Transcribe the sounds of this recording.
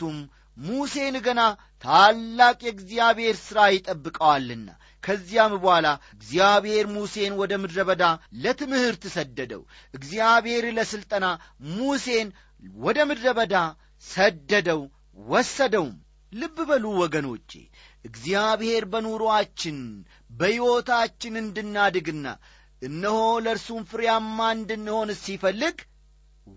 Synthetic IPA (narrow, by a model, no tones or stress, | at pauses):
tumː | use̞nɡəna | t̪ʰalːakʼjɛɨɡzijaβhe̞ɾsɨɾajɪt̪ʼəbːɨkʼəwalːɨnːa̰ | kʰəzːijambəhalaɨɡzijaβhe̞ɾmuse̞nwɔd̪əmɨd̪ɾəβəd̪alət̪ɨmhɨɾt̪ɨsəd̪ːəd̪ə̰w | ʔɨɡzijaβhe̞ɾləsɨlt̪ʼəna | muse̞n | wɔd̪əmɨd̪ɾəβəd̪a | səd̪ːəd̪əw | wɔsːəd̪əwm | lɨbːbəluwɔɡəno̞̰t͡ʃːe̞̰ | ʔɨɡzijaβhe̞ɾbənuɾuat͡ʃːɪn | bəjɪwo̞t̪at͡ʃːɪnɨnd̪ɨnːad̪ɨɡɨnːa̰ | ʔɨnːɨho̞ləɾsumfɨɾjamːand̪ɨnːɨho̞nɨsifəlːɨɡ